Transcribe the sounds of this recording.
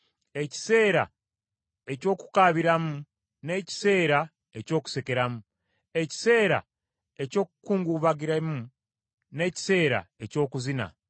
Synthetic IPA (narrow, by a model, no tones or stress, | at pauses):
e̞ci̥se̞ːɾa̰ | e̞co̞ːku̥kaβiɾamu | ne̞ːci̥se̞ːɾa | e̞co̞ːku̥se̞ke̞ɾamu | e̞ci̥se̞ːɾa̰ | e̞co̞ːkukuːŋɡuβaɡiɾamu | ne̞ci̥se̞ːɾa̰e̞co̞ːkuzina̰